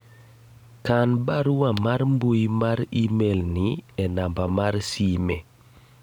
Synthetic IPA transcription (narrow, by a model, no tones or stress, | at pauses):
kanbaɾwamarmbujmaɾimelniɛnambamarsimɛ